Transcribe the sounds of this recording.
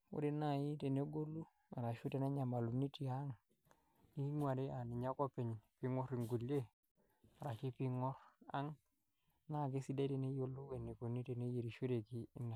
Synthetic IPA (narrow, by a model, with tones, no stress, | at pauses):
o̰˦de˦na˦˨ji˦te˨ne˦ɡo˦lːu˦ | a˨ɾa˨ʃu˦te˨na˦ɲa˨ma˨lu˨ni˦ti˨a˦ŋ | ni˦ŋʷ˦a˨de˦a˨ni˨ɲa˦ko˦pe˨ɲ˨pi˦ŋɔ˦ɾi˨ŋɡu˨lje˦ | a˨ɾa˨ʃi˦pi˦ŋɔ˦ɾa̰˦ŋ | na˦˨k̬e˦si˦da˦te˨ne˦jo˨lu˦we˨nːi˨ko˨ni˦te˨ne˦je˨ɾi˨ʃo˦ɾe˨ki˦nːa˨